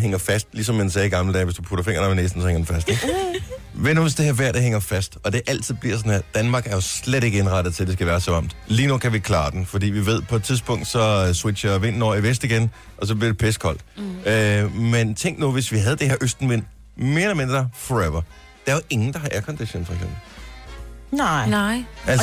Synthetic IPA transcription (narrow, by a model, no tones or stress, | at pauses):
ɦeŋɐfæsd̥lis̬ɒ̽mːensɛːiɡ̥ɑ̈ml̩əd̥ɛ̰ːʋe̝sd̥upʰuɾ̥ɐfe̝ŋɐnɑʋineːsd̥n̩sɒheŋ̰ɐd̥en̩fæsd̥eɡ | ʋenɐosd̥eheɐʋæɐ̰d̥eɦeŋɐfæsd̥ɒ̽d̥e̝ʔæl̰t͡sʰið̰ˠb̥liɐ̰s̬ɒ̽næd̥ænmɑ̈ːɡ̥æɐjo̝sleɾe̝ɡ̥əe̝nʁɑ̈ɾ̥ð̞̩ˠt͡sʰed̥esɡ̥æʋæːɐsɒɑ̈m̰d̥liːnukʰæʋikʰlɑ̈ːd̥en̩fɒ̽d̥ḭːʋiʋe̝ð̞̰ˠpʰɒ̽ed̥̚t͡sʰiðˠsb̥ɔ̽ŋ̰d̥sɒ̽swe̥ɕɐʋe̝n̰n̩ɒ̰ːiʋesd̥iɡ̥en | ʔɒ̽s̬ɒ̽b̥liɐd̥e̝pʰeskʰɒ̽l̰d̥øment͡sʰeŋ̰ɡ̥nuʋe̝sʋiɦæð̞̩ˠd̥ehe̝ɐ̰ʔøsd̥n̩ʋe̝n̰ | me̝ːɐlɐme̝nd̥ʁ̥ɐfɒeʋɐ | d̥ɑ̈ɐoʔe̝ŋn̩d̥ɑ̈ɦɑ̈ʔæɐkʰɒnd̥iɕo̰nfɒeɡksem̰b̥l̩ | æl